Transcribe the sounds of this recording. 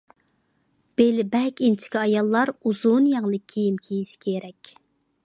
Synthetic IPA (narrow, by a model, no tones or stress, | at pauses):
b̥elɪbɛkʲint͡ʃʰɪ̥kʲiɑjɑlˠːɑɾuzunjɑŋlˠɨkʲʰːijimkʲʰːijiʃkʲʰeɾɛkʲ